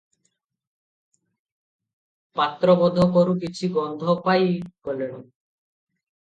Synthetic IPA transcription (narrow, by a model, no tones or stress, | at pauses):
pat̪ːɾɔbɔd̪ʱɔkɔɾuk̬it͡ɕʰiɡɔnd̪ʱɔpajkɔleɽ̃i